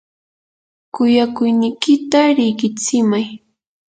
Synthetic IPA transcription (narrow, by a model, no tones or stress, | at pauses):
kʊjakʊjnɪjkɪt̪aɾɪɢɪt͡sɪmaj